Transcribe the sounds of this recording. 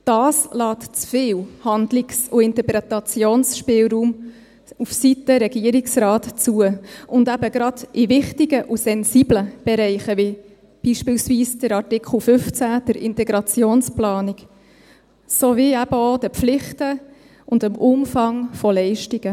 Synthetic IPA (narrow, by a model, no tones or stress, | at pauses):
d̥ɑːslɑːtt͡sfɪːwhɑndlɪksʊɪnt̪əɾpɾɛtɑt͡sjoːnsʃpɪːlɾuːm | ufsitəɾɛɡ̥iəɾiksɾɑːtt͡suəʊndæbəɡɾɑd̥ʔɪvɪχtiɡəʔusɛnzibləb̥ɛɾɛɪχəʋi | b̥iːʃpɪːlsviːsd̥əɾɑtɪkʰl̩ˠfʏft͡sæd̥əɾʔɪ̰ntɛɡɾɑt͡sjoːnsplɑːnik | soʋiæb̥əodəpflɪχtə | ʊndəmʔʊmfɑŋfɔlɛɪʃtiɡ̥ə